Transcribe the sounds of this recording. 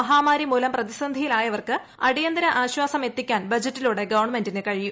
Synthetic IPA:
ɐɦaːmaːɾimuːlɐmprɐðisɐnd̪ʱijilaːjɐʋɐrkɨ | ɐɽijɐnd̪ɐɾɐʔaːɕwaːsɐme̞t̪ːikʲːaːnbɐd͡ʑɐtːiluːɽe̞ɡɐʋɐrɳme̞ndinɨkɐɻiju

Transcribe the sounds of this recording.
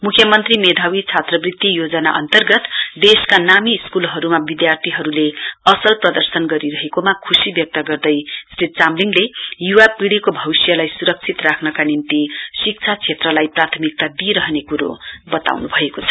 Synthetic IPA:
mukʰjʌmʌnt̪rimed̪ʱawit͡sʰat̪rʌbrit̪ːijod͡zʌna̰ʔʌ̰nt̪ʌrɡʌt̪d̪eskanamiːskulɦʌɾumabid̪jart̪ʰiɦʌɾuleʌsʌlprʌd̪ʌrsʌnɡʌɾiɾʌɦekomakʰusibjʌk̚t̪ʌɡʌrd̪ʌjsrit̪̚t͡samliŋɡlejuwapiɽikobʱʌwisjʌlajsuɾʌk̚t͡sʰit̪rakʰnʌkanint̪isik̚t͡sʰat͡sʰet̪rʌlajprat̪ʰʌmik̚t̪ad̪iɾʌɦnekuɾo̰bʌt̪a̰wnubʱʌekot͡sʰʌ̥

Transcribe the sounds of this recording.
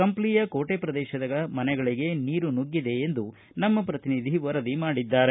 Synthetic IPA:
kɐmpliːjɐkoːʈeːpɾɐd̪ɛːʃɐd̪ɐɡɐmɐnɛɡɐɭiɡe̞niːɾunuɡːid̪e̞ːnd̪u | nɐmːɐpɾɐt̪inid̪ʱiʋɐɾɐd̪imaːɽid̪ːaːɾe

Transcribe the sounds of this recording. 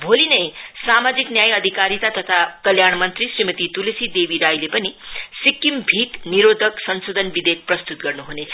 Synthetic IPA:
bʱolinʌjsamad͡ziknjajʌd̪ʱikaɾit̪at̪ʌt̪ʰakʌljaɳmʌnt̪risrimʌt̪it̪ulisid̪ebiɾajlepʌnisikːimbʱikniɾod̪ʱʌksʌnsod̪ʱʌnbid̪ek̚prʌst̪ut̪̚ɡʌrnuɦunet͡sʰʌ̥

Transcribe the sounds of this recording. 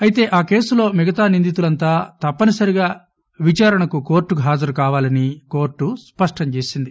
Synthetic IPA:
ɐjit̪e̞ːʔaːke̞ːsulo̞ːmɛɡɐt̪aːnind̪it̪ulɐnt̪aːt̪ɐpːɐnɐsɐɾiɡaː | ʋit͡ʃaːɾɐɳɐkuko̞ːɾʈːuɦaːd͡ʒɐɾukaːʋaːlɐniko̞ːɾʈːuspɐʂʈɐɲt͡ʃe̞ːsind̪i

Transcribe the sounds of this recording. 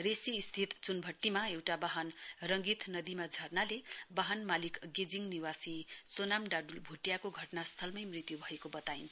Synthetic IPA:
resiːst̪ʰit̪t͡sunbʱʌʈːimaewʈabaɦʌnrʌŋɡit̪nʌd̪imad͡zʱʌrnalebaɦʌnmalikɡed͡ziŋniwasisonamɖaɖulbʱuʈjakoɡʱʌʈnast̪ʰʌlmʌjmrit̪jubʱʌekobʌt̪aint͡sʰ

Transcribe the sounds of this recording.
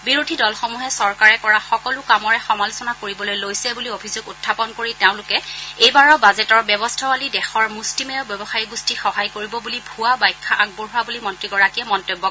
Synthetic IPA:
biɹodʱidɔlxɔmuɦɛsɔɹkaɹɛkɔɹaxɔkɔlʊkamɔɹɛxɔmalʊsɔnakoɹibɔlojlojsɛbuliobʱizoɡʊtʰːapɔnkoɹitɛʊ̃lʊkɛejbaɹɔbazɛtɔɹbɔbɔstʰawalidɛxɔɹmustimɛɔbjɔbɔxaɹiɡustixɔɦajkoɹibɔbulibʱuwabajkʰːaʔaɡ̚buɹɦʊabulimɔntɹiɡɔɹakiɛmɔntobːɔ

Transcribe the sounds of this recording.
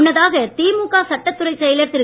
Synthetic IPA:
nːɐðaːɣɐt̪iːmukːaːsɐʈːɐt̪ːɯɾɐɪʈsɐjlɐɾt̪ɪɾɯ

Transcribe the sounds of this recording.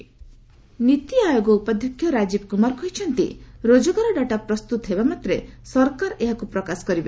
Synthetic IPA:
nit̪iajoɡɔupad̪ʱjɔkʰːjɔɾad͡ʒibkumaɾkɔjt͡ʃʰɔnt̪ḭɾod͡ʒɔɡaɾɔɖaʈapɾɔst̪ut̪ɔɦebamat̪ɾesɔɾkaɾeɦakupɾɔkasɔ̥kɔɾibe

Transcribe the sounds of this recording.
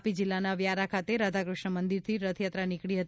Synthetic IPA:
pid͡ʒɪlːanaʋjaɾakʰat̪eɾad̪ʱakɾʊʃɳəmənd̪iɾt̪ʰiɾət̪ʰjat̪ɾanikɽiɦət̪

